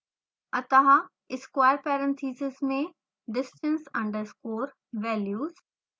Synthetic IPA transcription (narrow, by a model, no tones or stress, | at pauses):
ɐt̪ɐɦa | ɪskwaːjɾpɛːɾə̃nt̪ʰiːsɪzmẽ | ɖɪsʈə̃nsɐ̃ɳɖəɾskoːɾ | ʋɛːljuːz̥